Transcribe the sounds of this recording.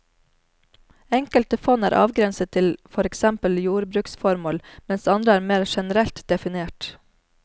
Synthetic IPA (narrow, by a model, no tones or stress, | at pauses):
ɛŋkəlt̪əfɔnæːɾʔɑ̰ːʋɡɾɛnsətt̪ʰɪlfɔɾɛksɛmpəljuːɾbɾʉːksfɔɾmoːlmɛnsɑnd̪ɾəæːɾmeːɾʃɛnəɾɛlt̪d̪ɛfɪneːʈ